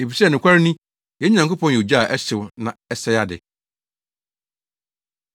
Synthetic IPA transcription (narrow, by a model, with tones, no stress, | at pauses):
e˨pi˨sɛ˦˨nʊ̃˨kʷʰa˦ɾɪ˦nĩ˦ | jɛ˦ɲã˨ŋko˦pʰɔ̃˦n˨jɛ˨d͡ʑa˦˨ʔɛ˦sɪ˨wnã˨ɛ˦sɛ˦ja˦dɪ̰˨